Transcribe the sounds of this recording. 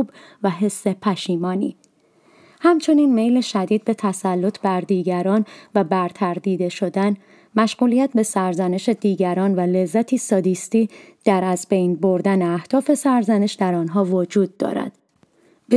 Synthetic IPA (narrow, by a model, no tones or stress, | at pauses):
bvæɦe̞sːe̞pʰæʃiːmɒːnḭ | hæmt͡ʃʰo̞niːnme̞jleʃæd̪iːd̪̚be̞t̪ʰæsælːo̞t̪ʰbæɾd̪iːɟæɾɒːnvæbæɾt̪ʰæɾd̪iːd̪e̞ʃo̞d̪æn | mæʃɣ̥uːlijæt̪ʰbe̞sæɾzæne̞ʃe̞d̪iːɟæɾɒːnvæle̞zːæt̪ʰiːsɒd̪ist̪iːd̪̥æɾæzbejnbo̞ɾd̪æneæhd̪̥ɒːfe̞sæɾzæne̞ʃd̪æɾɒːnɦɒːvod͡ʒuːd̪̚ːɒ̰ːɾæ̰d̪̥ | b